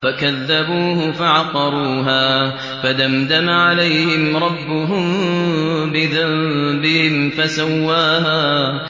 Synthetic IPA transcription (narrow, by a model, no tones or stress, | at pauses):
fakaðːabuːhʊfaʕɑqɑɾˤuːɦaː | fad̪amd̪amaʕalajhɪmɾˤɑbːʊɦʊm | bɪðambɪhɪmfasawːaːɦaː